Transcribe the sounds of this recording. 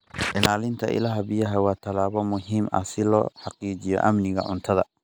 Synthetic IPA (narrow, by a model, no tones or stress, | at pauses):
ʕɪnaːlɪnt̪ʰɐʔɪ̰lɐɦɐbɪjɐɦɐwɑːt̪ʰɐlaːβɔmʊɦiːmɐ̰sɪlɔ̰ːħɑqiːt͡ʃɪjɔ̰ʔɐmnɪɣɐ̰ʕʊnt̪ʰɐðɐ